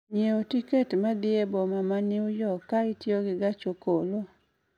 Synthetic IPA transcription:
ɲjeotiketmad̪ɪebɔmamanɪʊjɔkaɪtjoɡɪɡat͡ʃokolo

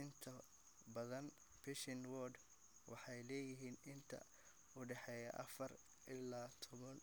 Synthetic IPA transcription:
ɪnt̪ʰɐ | bɐðɐn | bɪʃɪnwɔːd̪ | wʔɑ̰ħɑjlɛːjɪɦiːnɪnt̪ʰɐ̰ | ʊɖɛħɛːjɐʔɐ̰fɐr | ʔɪlaːt̪ʰɔβɐn

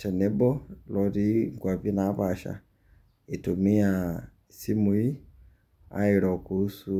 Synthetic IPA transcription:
tɛnɛbɔlɔɾiŋɡwaβinaβaʃa̰ | itumia | simui | a̰iɾɔkuhusu

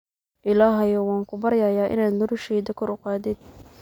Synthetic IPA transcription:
ʔɪlaːɦɐjɔwɑːŋkʰʊbɐɾjajaːʔɪ̰naːd̪nɔɾʊʃɛːd̪ɐkʰɔɾʊqɑːd̪ɪd̪̚

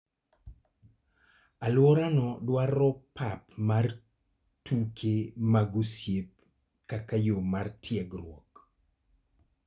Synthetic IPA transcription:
alwɔɾanɔdwaɾɔpapmar | tukʰemaɡusjep̚ | kakajomartʰjɛɡrwɔ̰k

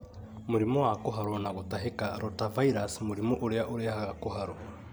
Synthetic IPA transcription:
muɾimowakuɦaɾonaɣutaɦekaɾotavaiɾasmuɾimoʔuɾjaʔuɾjahaɣakuɦaɾo

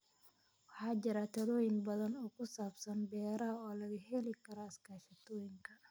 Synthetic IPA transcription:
wɑħɑːt͡ʃɪɾɐt̪ʰɐlɔːjɪŋbɐðɐnɔːkʰʊsaːbsɐnbɛːɾɐɐɔːlɐɣɐɦɛlɪkʰɐɾɔɐskʰaːʃɐt̪ʰɔːjɪŋkʰɐ

